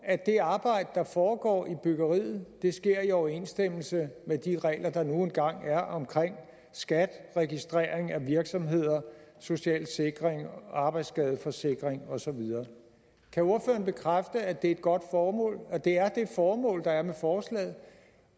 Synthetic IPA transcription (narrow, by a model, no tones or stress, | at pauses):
æd̥e̝ɑ̈ːb̥ɑ̈ɪ̰d̥əd̥ɑ̈fɒːɡ̥ɒ̰ːib̥yɡ̥ɐʁḭːð̩ˠd̥e̝sɡ̥e̝ɐ̰iɒʊɐe̝nsd̥em̰l̩səmed̥iʁɛ̰ɪlʔɐd̥ɑ̈no̝ːn̩ɡ̥ɑ̈ŋ̰æɐʔɒ̽mkʰʁeŋ̰ | sɡ̥æd̥ʁɛɡ̥isd̥ʁeːɐeŋæʋiɐɡ̥sɒ̽mɦe̝ð̞̰ˠɐso̝ɕɛ̰ːlse̝ɡ̥ʁeŋɑ̈ːb̥ɑ̈ɪ̥sɡ̥ɛːðˠfɒ̽se̝ɡ̥ʁeŋɒ̽sɒ̽ʋið̞ˠɐː | kʰæo̝ɐfø̰ːɐnb̥e̝kʰʁafd̥əæd̥e̝e̝d̥̚ɡ̥ɒ̽d̥fɒːmɔ̰̽ːlɒ̽d̥e̝æɐd̥e̝fɒːmɔ̰̽ːld̥ɑ̈æɐmefɒːslɛ̰ːð̩ˠ